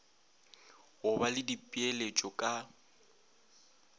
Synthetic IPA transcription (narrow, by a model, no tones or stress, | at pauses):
ɣʊbalɪdipʼielet͡ʃʼɔkʼa